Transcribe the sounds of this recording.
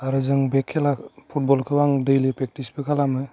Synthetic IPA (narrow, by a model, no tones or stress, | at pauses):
aɾɯzɯŋbekʰːɛlapʰut̚bɔlkʰɯbaŋdejlipɾɛk̚ʈispekʰalamɯ